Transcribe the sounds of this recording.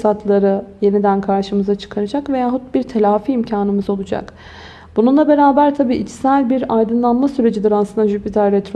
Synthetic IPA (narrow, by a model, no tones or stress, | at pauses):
sat̪ʰlˠaɾɯje̞nid̪ænkʰaɾʃɯmɯzat͡ʃʰɯ̥kʰaɾad͡ʒakve̞jaːɦut̪̚biɾt̪ʰe̞lʲaːfiːmcʰaːnɯmɯzo̞lˠud͡ʒa̰k | bununlˠabe̞ɾaːbæɾt̪ʰabiːʔit͡ʃsælʲbiɾajd̪ɯnlˠanmasyɾe̞d͡ʒid̪iɾaslɯnd̪aʒypit̪ʰaɾɾɛt̪ʰɾo